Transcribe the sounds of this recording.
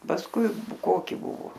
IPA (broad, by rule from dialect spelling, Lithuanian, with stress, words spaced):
pɐsˈkʊɪ ˈkoːkʲɪ ˈbʊʋoː